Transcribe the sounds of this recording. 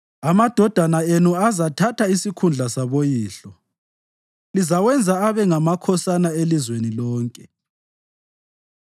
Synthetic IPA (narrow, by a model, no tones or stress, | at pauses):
amad̥ʱɔd̥ʱanaenuazatʰatʰaisikʰund͡ɮʱasaβojiːɬɔ | lizawɛnd͡zʱaːβɛŋamakʰɔsanaelizwenilɔːŋkʼɛ